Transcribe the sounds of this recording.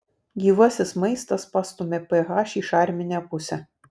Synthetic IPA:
ɡʲiːʋɐsʲɪsmɐɪst̪ɐspɑst̪ʊmʲɛpɛɣɑːʃʲiʃɑˑɾʲmʲɪnʲæpʊsʲɛ

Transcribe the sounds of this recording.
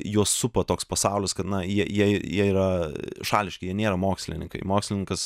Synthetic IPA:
juɔsːʊpɐt̪oːkspɐsɑʊlʲɪskɐt̪nɐjiɛjiɛjiɛiːɾɐʃɑːlʲɪʃʲkʲɪjiɛnʲeːɾɐmoːksʲlʲɪ̰nʲɪ̰ŋkɐ̰ɪmoːksʲlʲɪnʲɪŋkɐs

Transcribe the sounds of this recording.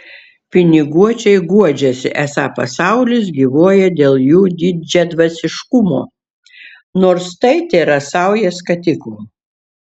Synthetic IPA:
pʲɪnʲɪɡuɔt͡ʃʲɛɪɡuɔd͡ʒʲɛsʲɪ̰ʔæsɑːpɐsɑˑʊlʲɪs̬ɡʲiːʋoɔjɛd̪ʲeːlˠjuːd̪ʲid͡ʒʲɛd̪ʋɐsʲɪʃkʊmo̰ː | noːɾst̪ɐɪt̪ʲeːɾɐsɐˑʊjɛskɐt̪ʲɪklˠuː

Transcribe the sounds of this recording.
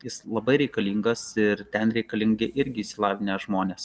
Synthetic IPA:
jɪslˠɐbɐɪɾʲɛɪkɐlʲiːŋɡɐsɪɾt̪ʲɛnɾʲɛɪkɐlʲɪŋɡʲɪʔɪɾʲɡʲɪiːsʲɪlˠɑːʋʲɪnʲeːsʒmoːnʲeːs

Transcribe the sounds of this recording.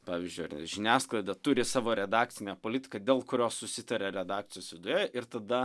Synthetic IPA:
pɑːʋʲizʲd͡ʒʲʊjʒʲɪnʲæːsklˠɐɪd̪ɐt̪ʊɾʲɪsɑːʋoːɾʲɛd̪ɑːkt͡s̪ʲɪnʲɛpoːlʲɪt̪ʲɪ̥kɐd̪ʲeːlˠkʊɾʲoːssʊsʲɪt̪ɐɾʲeɾʲɛd̪ɑːk̚t͡s̪ʲɪjoːsʋʲɪd̪ʊjɛʔɪɾt̪ɐd̪ɐ

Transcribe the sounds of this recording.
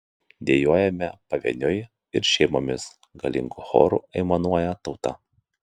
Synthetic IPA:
d̪ʲeɛjoːjɛmʲɛpɐʋʲɛ̰nʲʊɪ | ɪɾʃʲɛɪmomʲɪs | ɡɐlʲɪ̰ŋɡuxo̰ːɾṵːˑɛɪmɐnuɔjɛt̪ɒʊt̪ɐ̰

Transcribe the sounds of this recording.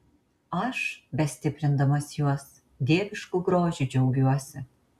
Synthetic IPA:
ɑʃbʲɛsʲt̪ʲɪpʲɾʲɪnd̪ɐmɐsjuɔs | d̪ʲeːbʲɪʃkuɡɾoːʒʲud͡ʒɛwɡʲuɔsʲɪ

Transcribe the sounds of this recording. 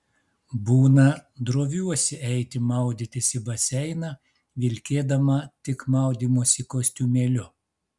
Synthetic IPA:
buːnɐd̪ɾoːʋʲuɔsʲɪɛɪt̪ʲɪmɐˑʊd̪ʲɪt̪ʲɪsʲɪbɐsʲɛɪnɐ | ʋʲɪlʲkʲeːd̪ɐmɐt̪ʲɪkmɐˑʊd̪ʲiːmoːsʲɪkoːsʲt̪ʲuːmʲeːlʲʊ

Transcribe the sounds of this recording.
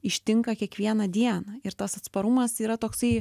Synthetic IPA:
ɪʃʲt̪ʲɪŋkɐkʲiɛkʋʲiɛnɐd̪ʲiɛnɐɪɾt̪ɐsɐt̪spɐɾʊmɐsiːɾɐt̪oːksɐɪ

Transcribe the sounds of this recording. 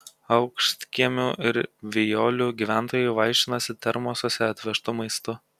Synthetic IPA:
ɐʊkʃʲt̪ʲkʲiɛmʲuːʔɪɾʋʲɪjoːlʲuːɡʲiːʋʲæˑnˑt̪oːjʊʋɐˑɪʃʲt̪ʲɪnɐsʲɪt̪ʲɛɾmoːsʲoːsʲɛɐt̪ʲʋʲɛʃt̪ʊmɐɪst̪ʊ

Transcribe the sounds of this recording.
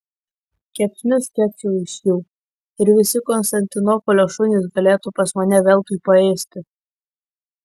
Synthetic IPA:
kʲɛpʲsʲnʲʊsʲkʲɛkʲsʲɛʊɪʃʲjuː | ɪɾʋʲɪsʲɪkɔnst̪ɐnʲt̪ʲɪnɔpɔlʲoːʃʊnʲɪs̬ɡɐlʲeːt̪upɐsmɐnʲɛʋʲɛlˠt̪uːˑpɐeːsʲt̪ʲɪ

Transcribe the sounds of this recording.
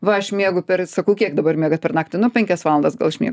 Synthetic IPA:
ʋɐɐʃmʲiɛɡʊpʲɛrsɐkɐʊkʲiɛkd̪ɐbɐrmʲiɛɡɐt̪pʲɛrnɑːk̚t̪ʲɪnʊpʲɛŋʲkʲɛsʋɑːlˠɐnd̪ɐsɡɐlˠʃʲmʲḭɛɡ

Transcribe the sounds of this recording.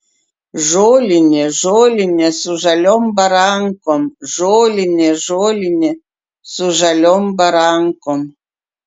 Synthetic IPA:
ʒoːlʲinʲɛʒolʲinʲɛsuʒalʲɔmbaɾaŋkɔmʒoːlʲinʲɛʒoːlinʲɛ | suʒalʲɔmbaɾaːŋkɔm

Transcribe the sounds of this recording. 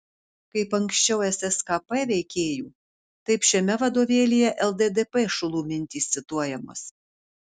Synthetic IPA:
kɐɪpɐŋksʲt͡ʃʲɛʊɛsɛskɐpɛʋʲɛɪkʲeːjuː | t̪ɐɪpʃʲɛmʲɛʋɐd̪oːʋʲeːlʲijɛʔɛlˠd̪ed̪epeʃʊlˠuːmʲɪnʲt̪ʲiːsʲɪt̪uɔjɛmo̰s

